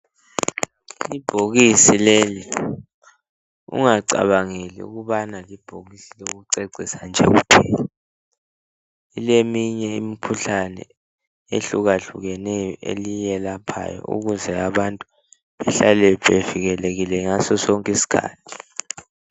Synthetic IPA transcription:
ib̥ʱoɣisileli | ṵŋaǀa̰βaŋelḭṵɣuβanalib̥ʱoɣisiloɣuǀeǀisand͡ʒʱɛ̰ɣṵpʰɛːja | ilemiɲɛimikʰuɬanɛ̰ | eɬuɣaɬuɣɛnɛjɔʔḛlijɛlapʰa̰jɔ̰ṵɣuzɛaβantʼu | βɛɬalɛɓeviɣɛleɣilɛŋasɔsoŋkʼisi̥kʰa̰ːtʰi̥

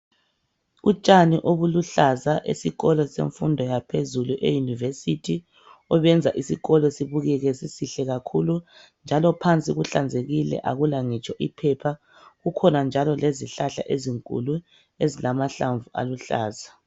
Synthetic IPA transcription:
ut͡ʃʼaniʔoβuluɬazaʔḛsiɣɔlɔsḛɱfundʱɔjapʰezuluʔḛjunivesitʰi | ɔβɛnd͡zʱaʔisiɣɔlɔesiβuɣɛɣɛsisiɬɛɣakʰulund͡ʒʱalɔpʰant͡sʼiɣuɬand͡zʱeɣilɛ̰ʔaɣulaŋit͡ʃʼɔʔipʰɛpʰa | ɣukʰɔnand͡ʒʱalɔleziɬaɬa̰ʔeziŋkʼṵlu | ezilamaɬaɱvuʔa̰luɬa̰ːza

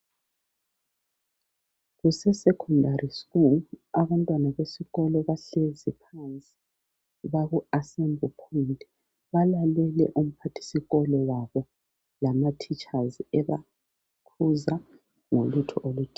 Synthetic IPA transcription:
ɣusɛsɛkʰɔndʱarʔiskulaβantʼwanaβesiɣɔlɔβaɬezipʰant͡sʼi̥ | βaɣuasɛmbʱupʰointʼi | βalalɛlɛ̰ʔum̩pʰatʰi̥siɣɔlɔwaβɔ | lamatʰit͡ʃʼazɛβa | kʰuza | ŋolutʰɔʔolud̥ʱi

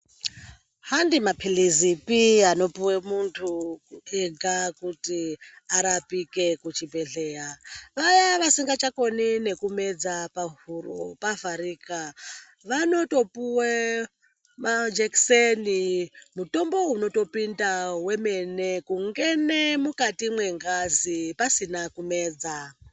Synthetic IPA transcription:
handimapʰilizipiano̞puwemuntʰuueɡʱakutiaɾapike̞kut͡ʃibʱe̞ɬe̞jaʋajaʋasiŋɡat͡ʃako̞nine̞kume̞d͡zapaɦuropavaɾiːka | ʋano̞to̞puwe | mad͡ʒeksenimuto̞mbo̞uno̞to̞pindawe̞me̞ne̞kuŋɡe̞ne̞mukatimwe̞ŋɡazipasinakume̞ːd͡za

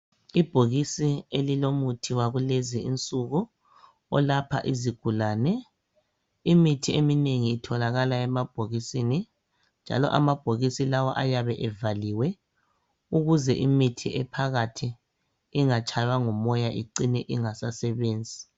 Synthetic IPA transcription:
ib̥ʱoɣisielilomutʰiwaɣuleziint͡sʼuɣu | ɔlapʰa̰ʔiziɡ̥ʱulaːnɛ | imitʰiemineŋiːtʰɔlaɣalaɛmab̥ʱoɣisini | nd͡ʒʱa̰lɔ̰ʔamab̥ʱoɣisilawaʔajaβɛʔɛvaliwɛ | uɣuzɛʔimitʰiʔɛpʰaɣatʰi | iŋat͡ʃʼʰajwaŋɔmɔjaʔiǀinɛʔiŋasasɛβeːnd͡zʱi

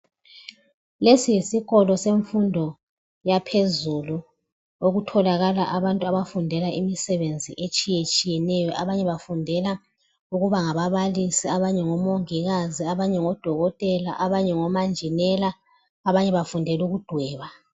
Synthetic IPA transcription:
lesijisiɣɔlɔseɱfundʱɔ | japʰezulu | oɣutʰɔlaɣalaʔaβantʼuaβafundʱɛlaʔimisɛβend͡zʱiʔet͡ʃʼijet͡ʃʼijɛnɛjɔʔaβaɲɛβafundʱɛla | uɣuβaŋaβaβalisiaβaɲɛŋɔmoŋiɣaziaβaɲɛŋɔd̥ʱɔɣɔtʼɛlaʔaβaɲɛŋɔmand͡ʒʱinɛlaː | βaɲɛβafundʱɛluɣud̥ʱwɛːβa

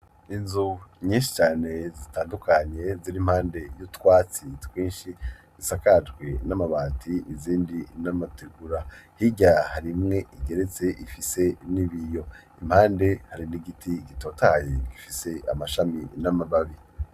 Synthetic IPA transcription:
inzuɲĩːnʃi̥t͡ʃaːne̞zitaːndukʰaɲe̞ziɾimhaːnde̞jutwaːt͡sitwiːnʃi | z̥isakad͡ʒɡwe̞namaβaːtʰiiziːndinamatʰeɡuɾahiɟahaɾimŋe̞ʔiɡe̞ɾe̞t͡se̞ʔifise̞niβijo̞im̥haːnde̞haɾiniɡitʰiɡito̞ːtajeɡ̥ifise̞a̰maʃaminamaβaβi

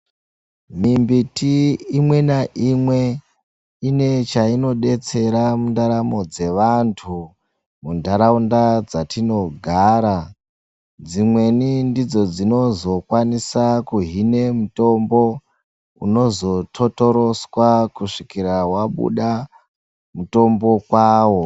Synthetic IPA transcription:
mimbitiːmwe̞naʔimwe̞ | ine̞t͡ʃaino̞ɗe̞t͡se̞ɾamundaɾamo̞d͡ze̞ʋantʰu | mundʱaɾaundad͡zatino̞ɡʱaːɾa | d͡zimwe̞nindid͡zo̞d͡zino̞zo̞kwanisakuɦine̞muto̞mbo̞ | ṵno̞zo̞tʰo̞to̞ɾo̞swakuʂikiɾawaɓṵɗa | muto̞mbo̞kwaːwo̞

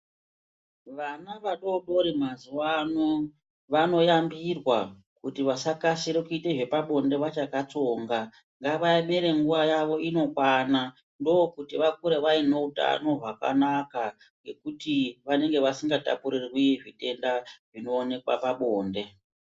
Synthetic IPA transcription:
ʋanaʋaɗo̞ɗo̞ɾimazuwano | ʋano̞jambirwa | kutiʋasakasiɾekuite̞ʐe̞paɓo̞nde̞ʋat͡ʃakat͡so̞ːŋɡa | ŋɡaʋajame̞ɾe̞ŋɡuʋajaʋo̞ino̞kwana | ndo̞kutiʋak̚uɾeʋaino̞uta̰no̞ʐaka̰naka | ŋɡe̞kutiʋane̞ŋɡe̞ʋasiŋɡata̰puɾirwiʐite̞ndaʐino̞ːne̞kwa̰paɓoːnde̞

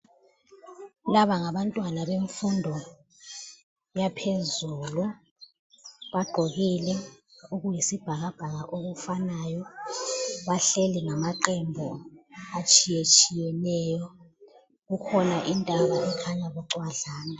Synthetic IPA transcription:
laβaŋaβantʼwanaβeɱfundʱɔ | japʰezulu | βaɡ͡ǃʱoɣilɛuɣujisib̥ʱaɣab̥ʱaɣaʔoɣufanajɔ | βaɬeliŋamaǀɛmbʱɔat͡ʃʼijet͡ʃʼijɛnɛːjɔ | ɣukʰɔnaʔintʼaβaʔɛkʰaɲaβuǃwaɮaːna

